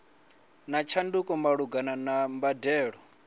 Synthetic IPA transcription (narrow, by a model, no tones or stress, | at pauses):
nat͡ʃʰandukʼɔmaɺuɡananambadɛːɺɔ